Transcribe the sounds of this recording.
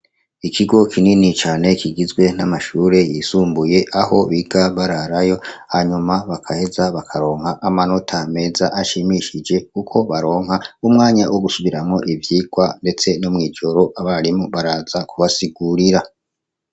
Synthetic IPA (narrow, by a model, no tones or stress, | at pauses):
ikʰiɡo̞kʰininit͡ʃaːne̞kiɡizɡwe̞n̥amaʃuːɾe̞jisuːmbuje̞ʔaho̞βiɡaβaɾaɾajo̞haɲumaβakʰahe̞zaβakʰaɾo̞ːŋhaʔːmano̞tʰame̞zaʔaʃimiʃid͡ʒe̞kukʰo̞βaɾo̞ːŋ̥haumŋaːɲawoɡusuβiɾamŋo̞ʔivjiːɡ̥wande̞t͡se̞nomŋiːd͡ʒo̞ɾo̞ʔaβaɾimoβaɾaːzakuβasiɡuɾiɾa